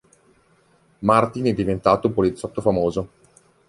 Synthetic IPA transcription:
mart̪inɛd̪ːivent̪aːt̪opolit̪sːɔt̪ːofamoːzo

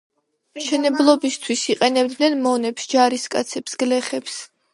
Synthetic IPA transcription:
mʃɛnɛblˠɔbist̪ʰwisiqʼɛnɛbd̪nɛnmɔnɛpsd͡ʒaɾiskʼa̰t̪sʰɛpsɡ̥lɛχɛps

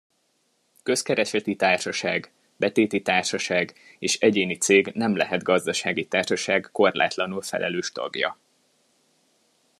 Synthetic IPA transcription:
kø̞skɛɾɛʃɛt̪it̪aːrʃɒʃaːɡ | bɛt̪eːt̪it̪aːrʃɒʃaːɡ | eːʃɛɟeːnit̪seːɡnɛmlɛɦɛd̪ɡɒzd̪ɒʃaːɡit̪aːrʃɒʃaːɡːo̞rla̰ːt̪lɒnulfɛ̰lʔɛ̰løːʃt̪ɒ̰ɡjɒ̰

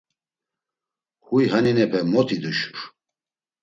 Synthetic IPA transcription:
hujɦaninɛpʰɛmɔt̪ʰid̪uʃuɾ

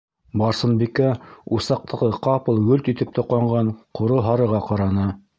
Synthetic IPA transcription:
bɑɾsɤ̆nbikæusɑq̚t̪ʰɤ̆ʁɤqɑpɤ̆lˠɡɵlt̪it̪ɘp̚t̪ŏqɑɴɢɑɴqʰŏɾoɦɑɾɤ̆ʁɑqɑɾɑnɤ

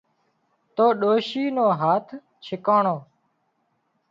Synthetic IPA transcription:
t̪oːɗoːʃiːnoːɦaːt̪ʰ | t͡ʃʰɪkaːɳoː

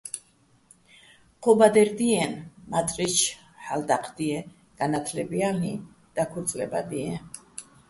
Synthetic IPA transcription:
qʰɔbad̪ɛɾd̪iɛnmat̪ʼɾit͡ʃʰ | ħald̪aqʰʼd̪̥iɛ | ɡ̥anat̪ʰlɛbiali | d̪̥akʰut̪sʼlɛ̰ba̰d̪iɛ

